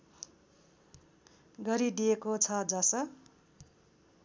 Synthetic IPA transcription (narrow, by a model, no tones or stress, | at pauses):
ɡʌɾid̪ijekot͡sʰʌd͡zʌsʌ